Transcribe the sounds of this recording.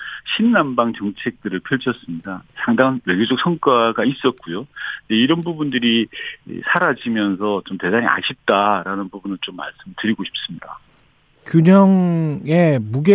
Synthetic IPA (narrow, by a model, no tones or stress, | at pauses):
ɕʰinːambaŋt͡ɕʌŋt͡ɕʰe̞k̚t͈ɯɾɯɭpʰjʌɭt͡ɕʰʌs͈ɯmɲidasʰaŋdaŋanweɡjod͡ʑok̚sʰʌŋk͈aɡais͈ʌt̚k͈ujodeiɾʌnbubundɯɾḭsʰaɾad͡ʑimjʌnsʰʌt͡ɕomte̞daɲḭʔa̰ɕʰip̚t͈aɾanɯnbubunɯɭt͡ɕomːa̰ɭs͈ɯmɯɭtɯɾiɡoɕʰi̥p̚s͈ɯmɲida̰ | kjuɲʌŋemuɡe